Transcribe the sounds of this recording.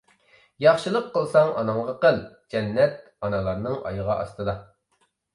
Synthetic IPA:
jɑχʃɨlˠəqʰːəlˠsɑŋɑ̰nɑŋʁɑqəlˠd͡ʒɛnːɛt̪̚ | ɑnɑlˠɑɾnɨŋɑ̰jəʁɑʔɑ̰st̪ɨd̪ɑ

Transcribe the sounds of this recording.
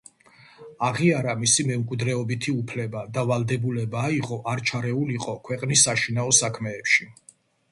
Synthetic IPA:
aʁiaɾamisimɛmkʼwid̪ɾɛɔbit̪ʰiupʰlɛbad̪avalˠd̪ɛbulɛbaːiqʼɔʔaɾt͡ʃʰaɾɛuliqʼɔkʰwɛqʼnisːaʃinaɔsakʰmɛːpʃi

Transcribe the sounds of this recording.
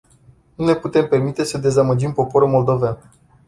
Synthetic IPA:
nune̞put̪e̞mpe̞rmit̪e̞səd̪e̞zaməd͡ʒimpo̞po̞ɾulmo̞ld̪o̞van

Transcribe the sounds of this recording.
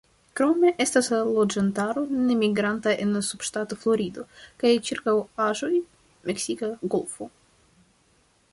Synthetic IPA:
kɾo̞me̞ʔe̞stasalo̞d͡ʒantaɾo̞ne̞miɡɾantaʔe̞nlasub̥ʃtato̞flo̞ɾido̞kajt͡ʃiɾkawaʒo̞j | mʔe̞ksikaɡo̞lfo̞

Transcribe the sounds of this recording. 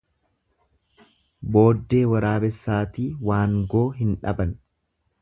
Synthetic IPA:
bo̞ːd̪ːe̞ːwɐɾaːbɛsːaːt̪iːwaːŋɡo̞ːɦɪnᶑɐ̰bɐn

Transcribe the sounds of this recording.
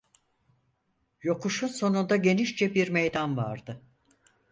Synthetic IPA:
jo̞kuʃunso̞nund̪aɟe̞niʃd͡ʒɛbiɾmejd̪anva̰ɾd̪ɯ

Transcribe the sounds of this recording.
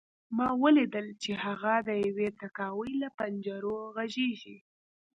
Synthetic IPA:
mɑwəlid̪əlt͡ʃehaɣad̪əjawet̪akɑwəjlapand͡ʒaɾoɣaʒeʒi

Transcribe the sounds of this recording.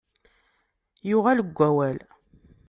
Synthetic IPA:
jʊʁæləɡʷːæwæl

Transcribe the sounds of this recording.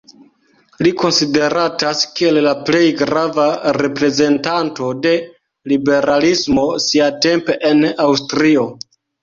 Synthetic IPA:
liko̞nside̞ɾataskie̞llaple̞jɡɾavaɾe̞pɾe̞ze̞ntanto̞de̞ | libe̞ɾalismo̞siate̞mpe̞ʔenawstɾio̞

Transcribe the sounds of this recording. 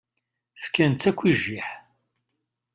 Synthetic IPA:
fkænt̪ːækʷːiʒːiħ

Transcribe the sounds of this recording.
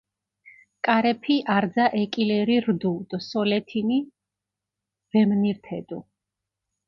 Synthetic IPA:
kʼaɾɛpʰiʔaɾd̪zaʔɛkʼilɛɾiɾd̪ud̪̥sɔlɛt̪ʰini | v̥ɛmniɾt̪ʰɛd̪̥u

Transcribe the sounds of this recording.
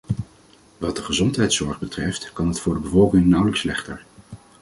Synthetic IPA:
ʋɑdəχəzɔntɦɛjtsɔɹχbətrɛftkɑnɦətfʊːɹdəbəvɔlˠkɪŋnʌwləkslɛχtə̰ɹ

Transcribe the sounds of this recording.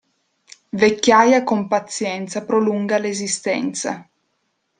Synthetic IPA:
vekʲːjajakompat̪sːjɛnt̪sapɾoluŋɡalezist̪ɛ̰nt̪sa̰

